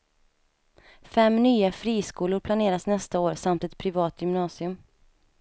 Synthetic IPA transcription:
fɛmːnyːafɾiːskuːlʊɾpʰlaneːɾasnɛst̪aoːɾsamt̪ɛt̪pʰɾɪvɑːt̪jʏmnɑːsɪɵm

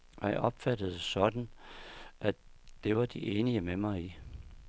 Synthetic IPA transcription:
ɒjɑ̈ɪʔɒ̽b̥fæd̥əð̞̩ˠsɒ̽d̥n̩ | ʔæd̥e̝ʋɑ̈d̥iʔe̝ːniəmemɑ̈ɪi

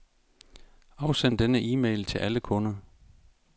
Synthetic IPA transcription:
ɑ̈ʊsen̰d̥enəʔiːmḛɪlt͡sʰe̝lʔæləkʰɔ̽nɐ

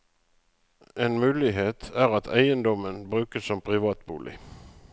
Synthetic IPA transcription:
ʔeːnmʉːlɪɦeːt̪ʰæːʁɑt̪ʰæɪənd̪ɔmənbʁʉːkəsɔmpʰʁɪʋɑːt̪bṵːlʔɪ̰

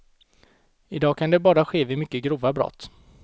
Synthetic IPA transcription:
ɪd̪ɑːkʰand̪ɛbɑːɾaɧeːvɪmʏkːəɡɾuːvabɾɔ̰t̪ː

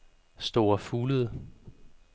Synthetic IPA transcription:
sd̥o̝ːɐfuːləðˠ

